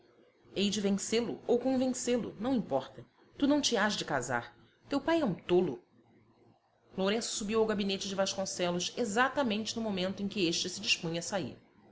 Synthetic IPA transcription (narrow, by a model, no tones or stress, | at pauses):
ejd͡ʒɪvẽselʊowkõvẽselʊ̰nɐ̃w̃ĩpɔχt̪ɐ | t̪unɐ̃w̃t͡ʃɪaʒd͡ʒɪkaza̰ɾ | t̪ewpajɛũt̪olʊ | loɾẽsʊ̥subiwawɡabinet͡ʃɪd͡ʒɪvaʃkõsɛlʊʃezat̪ɐmẽnt͡ʃɪnʊmomẽnt̪ʊẽj̃kʲɪeʃt͡ʃɪsɪd͡ʒɪʃpũɲɐsaḭɾ